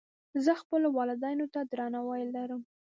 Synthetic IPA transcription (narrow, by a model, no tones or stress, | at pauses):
zəxpəlowɑlɪd̪ɑjnot̪ad̪ɾɑnawɑjlːaɾəm